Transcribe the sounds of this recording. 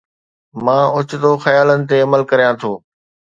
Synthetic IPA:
mãːʊt͡ɕt̪oːxɐjaːlənɪ̆t̪eɐməlkɐɾijãt̪ʰoː

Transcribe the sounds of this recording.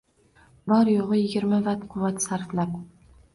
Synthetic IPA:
bɒɾjoʁɨjɪɡʲɪɾmavat̪qʰʊwːat̪saɾflap

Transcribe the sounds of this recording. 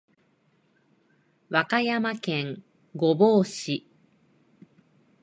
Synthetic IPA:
βakajamakẽ̞ŋ | ɡo̞boːɕi

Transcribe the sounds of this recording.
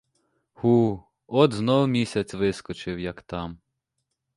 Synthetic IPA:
hu | ɔd̪znɔwmʲisʲɐt͡sʲʋɪskɔt͡ʃɪwjɐkt̪ɑm

